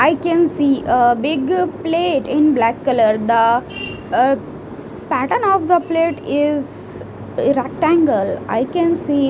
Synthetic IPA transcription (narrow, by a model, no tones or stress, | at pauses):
aɪkɛ̃nsiːʔəbɪɡpleːʈɪ̃nblækːələɾd̪ə | pæʈənɔːʋd̪əpleːʈɪz | ɾæk̚ʈæ̃ŋɡəla̰ɪkɛ̃nsiː